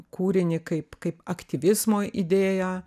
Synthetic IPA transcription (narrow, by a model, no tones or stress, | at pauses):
kuːɾʲɪnʲɪkɐɪpkɐɪpɐkt̪ʲiʋʲɪzmoːid̪ʲeːjæː